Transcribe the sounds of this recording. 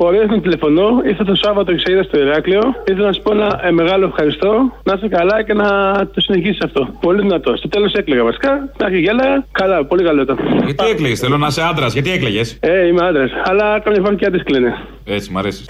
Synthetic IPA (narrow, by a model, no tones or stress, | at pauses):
bo̞ɾesnɐt̪ile̞fo̞no̞iɾθɐst̪osɐvɐt̪oiksejiðɐst̪o̞iɾɐklio̞iθelɐnɐsu̥po̞enɐme̞ɣɐlo̞efxɐɾist̪o̞nɐsɐkɐlɐce̞nɐt̪osine̞çisi̥sɐft̪o̞po̞liðinɐt̪o̞st̪o̞t̪e̞lose̞kleɣɐvɐsi̥kɐd̪ɐsiʝelɐɣɐkɐlɐpo̞likɐloit̪oɐt̪iekleesθelonɐseɐnd̪ɾɐzʝɐt̪iekleʝeseimeɐnd̪ɾɐsɐlɐkɐmɲɐfɾɐsiceɐt̪isklene | et͡simɐ̰ɾesi̥s